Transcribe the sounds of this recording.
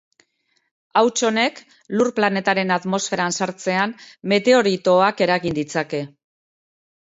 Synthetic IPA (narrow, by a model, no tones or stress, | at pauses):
awt͡ʃo̞ne̞k | lurplane̞t̪aɾe̞nat̪mo̞sfe̞ɾansaɾt͡se̞anme̞t̪e̞o̞ɾit̪o̞ake̞ɾaɣind̪it͡sake̞